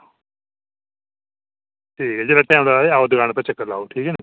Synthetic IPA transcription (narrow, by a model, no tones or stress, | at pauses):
ʈʰiːkɛd͡ʒeːɽaːʈɛ̃ːmlaːeaːod̪əɡaːɽ̃pɛt͡ʃəkːəɾlaːuʈʰiːkɛːne